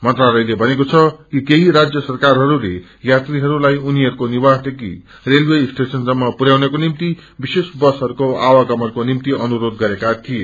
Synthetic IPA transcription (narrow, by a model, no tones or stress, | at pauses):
mʌnt̪ralʌjlebʱʌnekot͡sʰʌkikeɦiɾad͡zjʌsʌrkarɦʌɾulḛ | jat̪riɦʌɾulajuniɦʌɾukonibasd̪ekḭ | relwesʈesʌnd͡zʌmːʌpuɾjawnekonimt̪i | bisesbʌsɦʌɾukoawaɡʌmʌrkonimt̪iʌnuɾod̪̚ɡʌɾekat̪ʰije